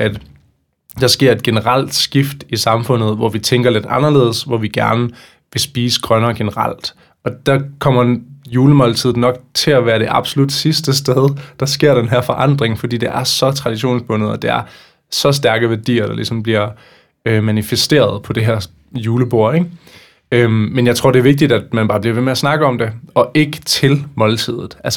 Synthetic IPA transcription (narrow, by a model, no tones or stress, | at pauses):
æd̥ | d̥ɑ̈sɡ̥e̝ɐ̰e̝d̥̚ɡ̥e̝nəʁɑl̰d̥sɡ̥ifd̥isɑ̈mfɔ̽n̰ð̩ˠʋɒʋit͡sʰeŋ̰ɡ̥ɐle̝d̥ɑ̈nɐle̝ːð̰ˠsʋɒʋiɡ̥æɐnə | ʋe̝sb̥iːsɡ̥ʁɶnɐːɡ̥e̝nəʁɑ̰l̰d̥ | ɒ̽d̥ɑ̈kʰɒ̽m̰ɐjuːləmɒ̽lt͡sʰið̞̰ˠnɒ̽ɡ̥̚t͡sʰe̝læʋæːɐɾ̥e̝ʔɑ̈b̥solud̥sisd̥əsd̥eð̞ˠd̥ɑ̈sɡ̥e̝ɐ̰denɦæɐfɒ̽ʔɑ̈n̰d̥ʁeŋfɒ̽d̥ḭːd̥e̝ʔæɐsɒ̽t͡sʰʁɑ̈d̥iɕo̝̰ːnsb̥ɔ̽nð̩ˠɒ̽d̥e̝æɐ | sɒ̽s̬d̥æɐɡ̥əʋæɐd̥ḭːɐɾ̥ɑ̈lʔḭsɒ̽mb̥liɐ | ømænifesd̥e̝̰ːɐð̞ˠpʰɒ̽d̥e̝ɦæɐ̰ | juːləb̥o̝ɐ̰eɡ̥ | ømmːenjɑ̈ɪt͡sʰʁo̝ɐ̰̥e̝æɐʋeɡ̥̚d̥id̥æd̥mænb̥ɑ̈ːb̥liɐʋe̝meæsnɑ̈ɡ̥əɒ̽md̥e̝ɒ̽ʔe̝ɡ̥ət͡sʰe̝lmɒ̽lt͡sʰið̞̰ˠð̩ˠʔæls